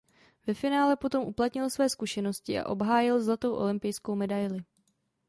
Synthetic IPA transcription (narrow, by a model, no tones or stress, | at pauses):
vɛfɪnaːlɛpo̞t̪o̞mʔuplat̪ɲɪlsvɛːskuʃɛno̞scɪʔa̰ʔo̞bɦaːjɪlzlat̪o̞wʔo̞̰lɪmpɪjsko̞wmɛdajlɪ